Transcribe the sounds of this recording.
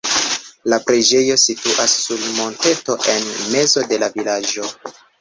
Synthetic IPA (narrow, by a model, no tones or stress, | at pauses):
lapɾed͡ʒe̞jo̞situʔasːulmo̞nte̞to̞ʔe̞nme̞zo̞de̞lavilad͡ʒo̞